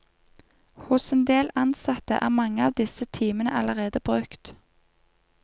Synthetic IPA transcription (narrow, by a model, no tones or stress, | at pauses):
hʊsɛnd̪eːlɑnsɑt̪ə̰ʔæ̰ːʁmɑŋəɑːʋd̪ɪsət̪ʰiːmənəʔɑləʁeːd̪əbʁʉkt̪